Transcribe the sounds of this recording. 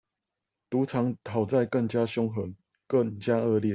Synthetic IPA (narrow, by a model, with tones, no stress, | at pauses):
t̪u˨˦t͡sʰɑ˨˦ŋt̪ʰa˨˩ʊt͡sa˥˧ɪkə˥˨ŋt͡ɕja˦ɕjɔ˦ŋxə˨˦n | kə˥˨ŋt͡ɕja˦ʔə˥˧ljiɛ˥˨